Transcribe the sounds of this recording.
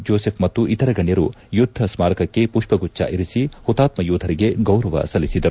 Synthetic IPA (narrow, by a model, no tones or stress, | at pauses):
d͡ʒoːsepʰmɐt̪ːuʔit̪ɐɾɐɡɐɳjɐɾu | jud̪ʱːɐsmaːɾɐkɐkːe̞puʂpɐɡut͡ʃːa̰ʔiɾisihut̪aːt̪mɐjuːd̪ʱɐɾiɡe̞ɡɐwɾɐʋɐ̰sɐlisid̪ɐɾu